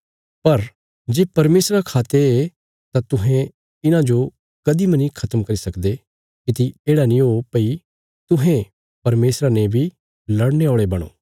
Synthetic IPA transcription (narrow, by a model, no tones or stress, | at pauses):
pɐɾ | d͡ʒeːpɐɾmeːsɾakʰaːt̪ee | t̪at̪ʊɦɛ̃ | ɪnãd͡ʒo | kɐd̪imɐnĩkʰɐt̪əmkɐɾisɐkd̪e | kɪt̪ieːɽanĩɦopɐi | t̪ʊɦẽ | pɐɾmeːsɾanebʱi | lɐɽneoːɭebɐɽ̃o̰ː